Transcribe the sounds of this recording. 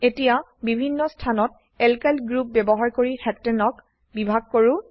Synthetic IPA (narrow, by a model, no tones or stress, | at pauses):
etija | bibʱinːɔstʰanɔt̚ | ɛlkalɡɹup̚bɛbɔɦaɹkoɹixɛtːɛnɔk | bibʱaɡ̚koɹʊ